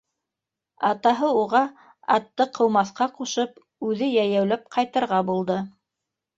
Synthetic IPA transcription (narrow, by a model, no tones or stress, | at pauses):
ɑt̪ɑɦɤuʁɑ | ɑ̰t̪ːɤqʰɤ̆wmɑθqɑquʃɤp | ʉðɘjæjæwlæp̚qʰɑjt̪ɤ̆ɾʁɑbulˠd̪ɤ